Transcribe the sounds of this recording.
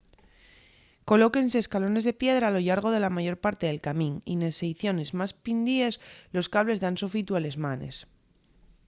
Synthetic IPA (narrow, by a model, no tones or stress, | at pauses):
ko̞lo̞ke̞nseːskalo̞ne̞zðe̞pje̞ðɾaːlo̞ʝaɾɣ̞o̞ð̞e̞lamaʝo̞ɾpaɾt̪e̞ðe̞lkamĩnḭnesejθjo̞ne̞zmaspind̪ie̞slo̞skaβle̞zðansofit̪uale̞zmane̞̰s